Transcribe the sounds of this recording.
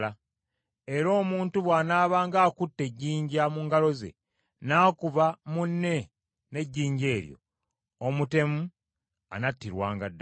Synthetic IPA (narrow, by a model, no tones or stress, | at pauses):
a | e̞ɾo̞ːmuːntuβwaːnaːβaːŋɡaːkutːe̞ɟːiːɲɟamuːŋɡalo̞zḛ | naːkuβamunːe̞ | ne̞ɟːiːɲɟe̞ːɾjo̰ | omute̞mu | a̰natːiɾwaːŋɡadː